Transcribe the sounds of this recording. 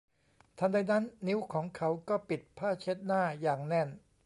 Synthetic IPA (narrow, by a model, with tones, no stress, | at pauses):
t̪ʰa˧da˧jna˦˥nːi˦˥wkʰɔː˩˦ŋkʰa˦˥wkɔː˥˩pi˨˩t̪̚pʰaː˥˩t͡ɕʰe˦˥t̪̚naː˥˩jaː˨˩ŋnɛ˥˩n